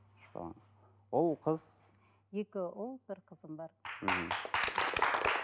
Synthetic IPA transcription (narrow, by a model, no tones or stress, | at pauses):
ʃɑ̰ | ʊlˠqʰəz̥ | jekʲɪʊlˠb̥ɪɾqʰəzəmbɑɾm̩ɦm̩